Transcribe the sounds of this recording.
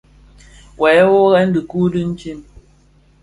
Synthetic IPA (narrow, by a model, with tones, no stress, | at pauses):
wʔɛ˨˦wo˦ɣɛ˦n̩˦dɨ˨ku˦dɨ˦n̩˦t͡ʃi˦˨m